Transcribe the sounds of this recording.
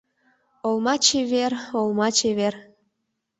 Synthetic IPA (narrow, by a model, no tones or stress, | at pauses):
olmɑt͡ɕeβerolmɑt͡ɕeβer